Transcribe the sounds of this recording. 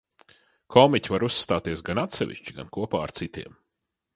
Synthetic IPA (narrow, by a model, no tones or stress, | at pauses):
kʰɔmicʲvaɾusːt̪aːt̪iɛsɡanat̪sɛ̰vḭʃt͡ʃiɡa̰nkuɔpaːaɾt̪sit̪iɛm